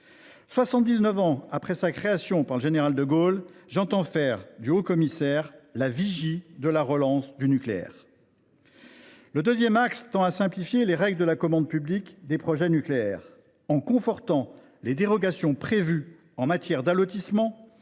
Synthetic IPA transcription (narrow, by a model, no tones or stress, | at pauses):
swasɑ̃t̪̚d̪iznəvɑ̃apχɛsakχeasjɔ̃paʁləʒeneʁald̪əɡolʒɑ̃t̪ɑ̃fɛʁd̪yokɔmisɛʁlaviʒid̪əlaʁəlɑ̃sd̪ynykleɛ̰ʁ | ləd̪øzjɛmakst̪ɑ̃asɛ̃plifjeleʁɛɡləd̪əlakɔmɑ̃d̪̚pyblikd̪epχɔʒɛnykleɛʁ | ɑ̃kɔ̃fɔʁt̪ɑ̃ | led̪eʁɔɡasjɔ̃pχevy | ɑ̃mat̪jɛʁd̪alot̪ismɑ̃